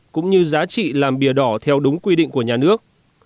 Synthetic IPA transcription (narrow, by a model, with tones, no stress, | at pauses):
kʊ̰˧˥ŋ͡mɲɨ˧zaː˨˦t͡ɕḭ˧˨laː˨˩mɓi˧˩əɗɔ˧˩t̪ʰɛ˧wɗʊ˨˦ŋ͡mkwi˧ɗḭ˧˨ŋ̟ku˧˩əɲaː˨˩nɨ˦˥ək̚